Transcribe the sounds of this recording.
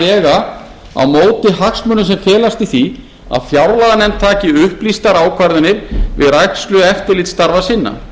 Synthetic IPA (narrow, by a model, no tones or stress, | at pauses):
ɛːɣa | a̰wmoːwt̪ɪɦaksmʏnːʏsɛmfɛːlast̪iθi | a̰ðfjawɾlaðanɛmt̪ʰaːcɪʏhplist̪aɾaːwkʰvaɾðʏnɪɾvɪ̰ðɾajk̪slʏɛft̪ɪɾlɪt̪st̪aɾvasɪnːa̰